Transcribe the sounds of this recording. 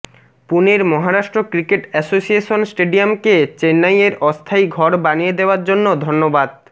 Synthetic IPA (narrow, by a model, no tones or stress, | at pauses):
puneɾmɔɦaɾaʃʈɾokɾikeʈɛsosieʃonsʈeɖiamket͡ɕenːajeɾɔst̪ʰaiɡʱɔɾbanijed̪eoaɾd͡ʑonːod̪ʱonːobad̪̚